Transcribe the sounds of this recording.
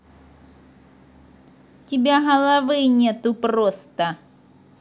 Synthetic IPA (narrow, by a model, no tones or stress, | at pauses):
kʲibʲɛɣɐlˠavɨnʲɛt̪uprɔst̪ɐ